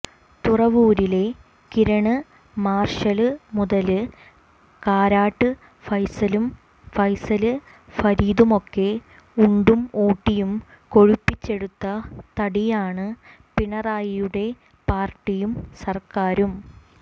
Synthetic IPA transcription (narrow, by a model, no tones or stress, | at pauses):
t̪urɐʋuːɾile̞ | kiɾɐɳɨ | maːrʂɐlɨmuðɐlɨ | kaːɾaːʈːɨ | fɐjsɐlum | fɐjsɐlɨ | fɐɾiːðumo̞kːe̞ | uɳɖumoːʈːijum | ko̞ɻupːit͡ɕːe̞ɽut̪ːɐt̪ɐɽijaːɳɨ | piɳɐraːjijuɽe̞ | paːrʈːijumsɐrkaːɾum